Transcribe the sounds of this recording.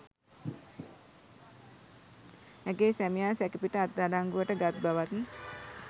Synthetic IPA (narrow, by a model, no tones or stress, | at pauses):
æɡeːsæmijaːsɛkipiʈəat̪̚d̪aɖaŋɡuʋəʈəɡat̪̚baʋat̪ni